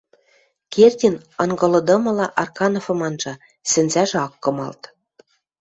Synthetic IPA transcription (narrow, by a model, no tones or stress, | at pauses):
kerʲtʲinɑŋɡɤ̆lɤ̆d̪ɤ̆mɤ̆lɑʔɑrkɑnofɤ̆mɑnʒɑ | sɘ̆nzæʒĕɑkːɤ̆mɑ̰lt̪